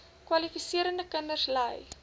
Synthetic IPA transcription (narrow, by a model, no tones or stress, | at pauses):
kwɐlifisiəɾəndəkənərsləj